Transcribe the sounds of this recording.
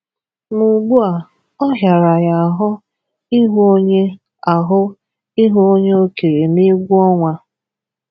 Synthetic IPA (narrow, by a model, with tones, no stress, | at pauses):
mu˨ɡ͡bu˦a˨ | ɔ˦ɦja˨ɾa˨ja˨a˨ɦʊ˦ | i˦ɦo˦ɲe˦ | a˨ɦʊ˦ | i˦ɦu˦o˦ɲe˦o˦ke˨ɾe˨ni˦ɡʷu˦ɔ˦ŋʷa˦